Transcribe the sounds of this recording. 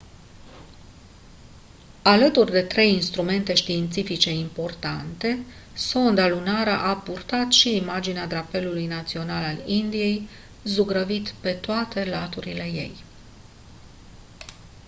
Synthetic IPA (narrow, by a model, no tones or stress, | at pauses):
alət̪urʲd̪e̞t̪ɾe̞jinst̪ɾume̞nt̪e̞ʃt̪iːnt̪sifit͡ʃe̞impo̞rt̪ant̪e̞ | so̞nd̪alunaɾəʔapurt̪at̪ʃiːmad͡ʒinead̪ɾape̞lulujnat̪sio̞nalalind̪ije̞j | zuɡɾəvit̪pe̞t̪oat̪e̞lat̪uɾile̞je̞̰j